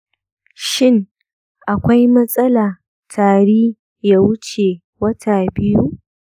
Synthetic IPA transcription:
ʃɪ˦ŋ | ʔa˨kʷa˦jmɐ˦sʼɐ˦laː˨ | tʰaː˨ɽiː˦ | jaː˦wʊ˦t͡ʃe˨ | wɐ˦tʰa˨bɪ˦ju˦

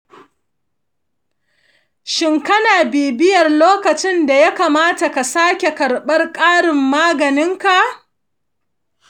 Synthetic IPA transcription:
ʃɪ˦ŋkɐ˦naː˨biː˨bɪ˦jɐ˨rloː˦kɐ˨t͡ʃɪ˦nda˨ja˦kaː˨maː˦ta˨ka˨saː˦kʲe˨kɐ˨ɽɓɐ˦rkʼaː˦ɽɪ˨mːaː˦ɡɐ˨nɪ˦ŋka˨ʔ

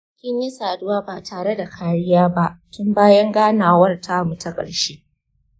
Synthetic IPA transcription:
kʲɪ˦ɲjɐ˦saː˨dʊ˦waː˦ba˨taː˨ɽe˦da˨kʰaː˦ɾɪ˦jaː˦ba˦ʔtʊ˦mbaː˦jɐ˦ŋɡaː˦naː˨wɐ˦rtʰa˦˨mʊ˨tɐ˦kʼɐ̰˨ɽʃeː˦

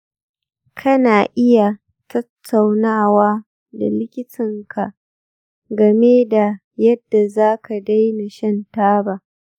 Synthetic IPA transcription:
kʰɐ˦naː˨ʔɪ˦ja˨ | tɐ˦tʰːa˨wnaː˦˨waː˦ | da̰˨lɪ˦kʲɪ˦tʰɪ˨ŋkʰa˨ʔ | ɡɐ˨meː˦da˨ | jɐ˦dːa˨zaː˦ka˨da˦jna˨ʃɐ˦ntaː˦ba˦

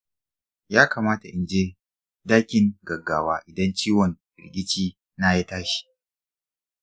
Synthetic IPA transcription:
jaː˦kaː˨maː˦ta˨ʔɪ˨nd͡ʒeː˦ | daː˦kʲɪ˨ŋɡɐ˨ɡaː˨waː˦ʔɪ˨dɐ˦nt͡ʃiː˦wɔ˨nbɪ̰˨ɾɡʲɪ˦t͡ʃiː˦ | naː˦ja˦taː˦ʃi̥˨

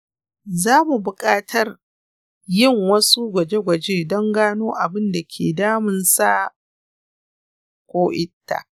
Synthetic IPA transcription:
zaː˦mu˨bʊ˨kʼaː˦tʰɐ˦r | jɪ˦˨ŋwɐ˦su˦ɡʷɐ˨d͡ʒe˦ɡʷɐ˨d͡ʒeː˦dɔ˦ŋɡaː˦noː˦ʔa˨bɪ˦nda˨kʲʰḛː˨daː˦mɪ˨nsa˦ | kʷoː˦ʔɪ˦tːa̰˨ʔ

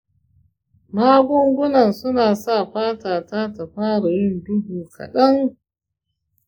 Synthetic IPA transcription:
maː˦ɡʷʊ˦ŋɡʷʊ˦nɐ˨nsʊ˦naː˨sa˦˨ɸaː˦taː˨taː˦ta˨ɸaː˦ɽa˨jɪ˦˨ndʊ˦buː˨kʰa̰˨ɗɐ˦ŋ

